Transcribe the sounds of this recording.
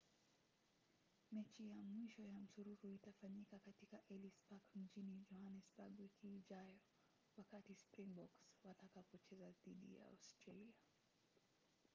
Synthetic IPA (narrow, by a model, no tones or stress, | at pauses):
mɛt͡ʃijamwiʃɔjam̩suɾuɾuitafaɲikakatikaʔɛlisbakm̩d͡ʒinid͡ʒɔhanɛsbaɡwikiʄajɔ | wakatispɾiŋbɔkswatakapɔt͡ʃɛzaðiɗḭja̰a̰stɾalia